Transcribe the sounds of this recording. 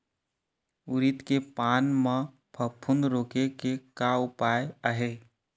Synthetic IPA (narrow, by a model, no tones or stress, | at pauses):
ʊɾit̪kepaːnmã | pʰəpʰːund̪ɾoːkekekaʊpaːjəɦeː